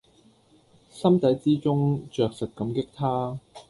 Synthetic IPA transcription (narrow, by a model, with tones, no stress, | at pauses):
sɐ˥mt̪ɐ˨˥jt͡siː˥t͡sʊ˥ŋt͡ʃœː˨k̚sɐ˨t̚kɐ˨˧˥mkɪ˥k̚t̪ʰaː˥